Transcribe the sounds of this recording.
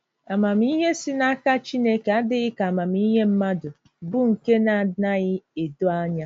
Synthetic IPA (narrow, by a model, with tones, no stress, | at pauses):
a˨ma˨m˦i˦ɦe˦sɪ˦na˦ka˦t͡ʃi˦ne˦ke˨a˦dɪ˦ɣɪ˦ka˨ma˨m˦i˦ɦe˦m̩˦ma˦dʊ˨ | bʊ˦ŋ̩˨ke˦na˨na˦ɣɪ˦e˨do˦a˦ɲa˦